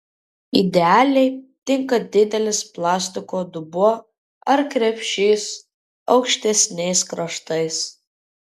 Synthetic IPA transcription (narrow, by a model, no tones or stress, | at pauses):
ḭd̪ʲɛaːlʲɛɪt̪ʲɪŋkɐd̪ʲɪd̪ʲɛlʲɪsplˠɑːsʲt̪ʲɪkoːd̪ʊbuɔ | ɐɾkɾʲɛpʲʃʲeːs | ɒ̰ʊkʃʲt̪ʲɛsʲnʲɛɪskɾɐʃt̪ɐɪs